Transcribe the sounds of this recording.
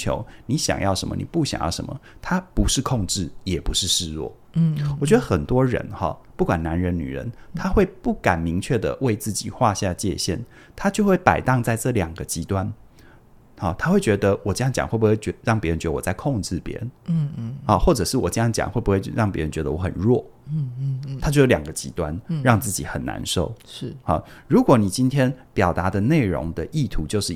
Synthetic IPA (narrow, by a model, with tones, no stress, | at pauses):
t͡ɕʰjo̰˧˦ʊni˨˦ɕjɑ̰˨˩ŋjɑ˥ʊʂə˧˦mə̰˧nḭ˨˩pu˥˩ɕjɑ̰˨˩ŋjɑ˥˩ʊʂə̰˧˦nmə̰˨t̪ʰa˥pu˧˥ʂɻ̩˥˧kʰɔ˥˧ŋʈ͡ʂɻ̩˥˩jɛ˨˩pu˧˦ʂɻ̩˥˩ʂɻ̩˥˧ɻwɔ̰˥˩ | wɔ˨˩t͡ɕɥɛ˧˥d̪ə˧˦xə˨˩nt̪wɔ˦˥ɻə̰˧˦nxɑ̰˥˨pu˥˩kwa˨˩nna˧˦nɻə˧˥nny̰˨˩ɻə̰˧˦nt̪ʰa˥xwe˥˧ɪpu˥˩ka˨˩nmi˧˦˥ŋt͡ɕʰɥɛ˥˩d̪ə̰˩we˥˧ɪt͡sɹ̩˥˩t͡ɕḭ˨˩xwa˥˧ɕja˥˩t͡ɕjɛ̰˥˧ɕjɛ̰˥˩n | t̪ʰa˥t͡ɕjo˥˧ʊxwe˥˩ɪpa˨˩ɪt̪ɑ˥˧ŋt͡sa˥˧ɪʈ͡ʂɤ˥˩ljɑ˨˩ŋɡə˦t͡ɕi˧˥t̪wa˦n | a˨˩t̪ʰa˥xwe˥˩ɪt͡ɕɥɛ˧˥d̪ə˧wɔ˨˩t͡ɕə˥jɑ˥˩ŋt͡ɕjɑ̰˨ŋxwe˥˩bu˧xwe˥˩ɪt͡ɕɛ˧˦əɻɑ˥˩ŋpjɻə˧˦nt͡ɕɥɛ˧˥də˧wɔ˨˩t͡sa˥˧ɪkʰɔ˥˧ŋʈ͡ʂɻ̩˥˩pjɛ̰˧˦˥ɻə̰˧˦n˥˩ɐ˨˩xwɔ˥˩ʈ͡ʂɤ˨˩ʂɻ̩˥˩wɔ˨˩t͡ɕə˥˧jɑ˥˩ŋt͡ɕjɑ̰˨˩ŋxwe˥˩ɪbu˧˥xwe˥˩ɪ˧˥ɻɑ˥˩ŋp̬ʲjɛ˧˥ə˧˦t͡ɕɥɛ˧˦d̪ə˧wɔ˧˦xə̰˨˩nɻwɔ˥˩ | t̪ʰa˥t͡ɕjjo˧˥ljɑ˨˩ŋɡə˦t͡ɕi˧˥t̪wa˦nɻɑ˥˧ŋt͡sɹ̩˥˩t͡ɕḭ˨˦xə˨˩nːa̰˧˦nʂo˥˩ʊʂ̩˥˩hɐ̰˨˩ɻu˨˦kwɔ˨˦ni˨˩t͡ɕi˦˥nt̪ʰjɛ˥npjɑ˨˩ʊt̪a˧˦d̪ə˨ne˥˩ɪɻɔ̰˧˥ŋd̪ə˨ʔi˥˩t̪ʰu˧˦t͡ɕjo˥˧ʊʂɻ̩˥˨˩